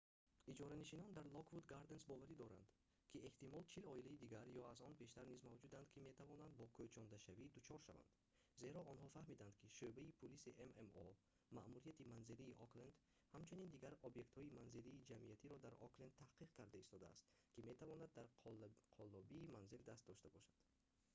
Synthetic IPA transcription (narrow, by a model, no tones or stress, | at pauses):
id͡ʒɔɾaniʃinɔnd̪aɾlˠɔkvud̪ɡaɾd̪e̞nsbɔvaɾid̪ɔɾa̰nd̪̥ | kʰie̞ht̪imɔlt͡ʃʰilɔilaid̪iɡaɾjɔazɔnbe̞ʃt̪aɾnizmavd͡ʒud̪and̪kʰime̞t̪ʰavɔnand̪bɔkʰøt͡ʃʰɔnd̪aʃavid̪ut͡ʃʰɔɾʃava̰nd̪̥ | ze̞ɾɔɔnhɔfahmid̪and̪kʰiʃøbaipʰulisiʔememɔ̰ | mamuɾijat̪ʰimanziliːʔɔklend̪ | hamt͡ʃʰunind̪iɡaɾobje̞kt̪hɔimanziliːd͡ʒamiat̪ʰiɾɔd̪aɾɔ̰klend̪t̪ʰahqiqkʰaɾd̪aist̪ɔd̪a̰ːst̪kime̞t̪ʰavɔnad̪ːaɾqʰɔlːɔbiːmanzild̪ast̪d̪ɔʃt̪abɔʃad̪̥